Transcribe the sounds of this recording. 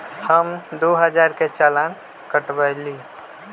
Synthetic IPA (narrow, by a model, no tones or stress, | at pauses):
həmd̪oɦəd͡ʒaɾket͡ʃalan | kəʈbəɪli